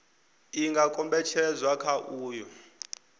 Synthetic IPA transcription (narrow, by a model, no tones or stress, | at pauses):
iŋɡakʼɔmbɛt͡ʃʰɛzwakʰaʔuːjɔ